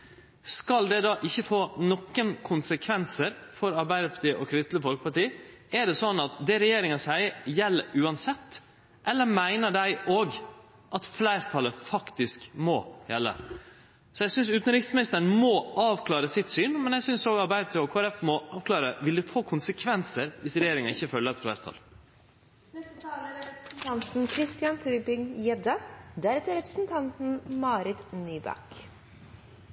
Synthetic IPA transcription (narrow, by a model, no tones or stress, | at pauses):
skɑld̪ɛd̪ɑːʔɪçːəfoːnɔkːənkʰʊnsəkʰʋɛnsəɾfɔɾɑɾbæɪd̪əɾpʰɑt̪iːəʔɔkʰɾɪd̪ɪt̪ləfɔlkəpʰɑʈiːæɖɛsɔnːɑt̪d̪ɛɾɛjeːɾɪŋɑsæɪjɛlːəʔʉːɑnsɛt̪ː | ʔɛlːəɾmæɪnəɖæɪʔoːɡ | ʔɑt̪flæɪɾt̪ʰɑləfɑkt̪ɪskmɔ̰jɛ̰lːə̰ | sɔjæɪsʏnsʉːt̪n̩ɾɪksmɪnɪst̪əɳ̩mɔʔɑːʋkʰlɑːɾəsɪt̪syːnmɛnjæɪsʏnsoːɡɑɾbæɪd̪ət̪ʰɔkʰɔæɾɛfmɔʔɑːʋkʰlɑːɾəʋɪld̪ɛfoːkʰʊnsəkʰʋɛnsəɾʋɪsɾɛjeːɾɪŋɑɪçːəfœlːəɾɛt̪flæɪɾt̪ʰɑ̰l | nɛst̪ət̪ʰɑːləɾɾɛpɾsn̩t̪ʰɑnt̪n̩kʰɾɪst̪ɪɑnt̪ʰʉbɪŋjɛd̪əd̪æɾɛt̪əɾɛpɾəsn̩t̪ʰɑnt̪n̩mɑːɾɪt̪nyːbɑ̰k